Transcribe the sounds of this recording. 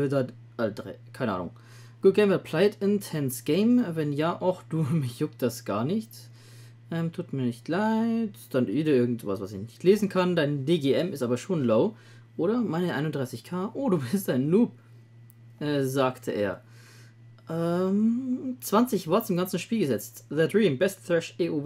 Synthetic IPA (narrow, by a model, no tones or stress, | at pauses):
da | ʔaldʁɛ̰kʰaɪnəʔa̰ːnʊ̰ŋ | ɡ̥ʊɡ̥ɛɪmɐpʰl̥aɪtɪntʰɛnsɡ̥eɪmvɛnjaːʔaʊxd̥uːmɪçjʊk̚t̚d̥asɡ̥aːɐnɪçt | ʔɛːmtʰuːtmiːɐnɪçtlaɪtd̥anʔjeːɾɐɪɐɡŋ̩tv̥a̰sv̥asɪçnɪçtleːzn̩kʰandaɪndeːɡeːʔɛmɪstʔaːbɐʃoːnloʊ | ʔoːɾɐmaɪnəʔaɪnʊndʁaɪsɪçkʰaːʔoːduːbɪstaɪnːuːp | ʔɛːzaːktʰəʔḛːɐ | ʔɛːmt͡sv̥ant͡sɪçv̥aɐtsɪmɡant͡sn̩ʃpiːlɡəzɛt͡stðədʁiːmbɛstθɹɛʃeːʔuː